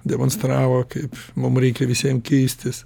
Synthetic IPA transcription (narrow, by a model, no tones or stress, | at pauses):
d̪ʲɛmoːnst̪ɾɑːʋoːkɐɪpmʊmɾʲɛɪkʲɛʋʲɪsʲiɛmkʲɛɪsʲt̪ʲɪs